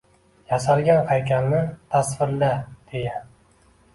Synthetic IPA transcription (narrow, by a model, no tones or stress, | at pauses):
jasalˠɡʲanhajkʲʰanːɪt̪ʰasvɪɾlad̪̥eja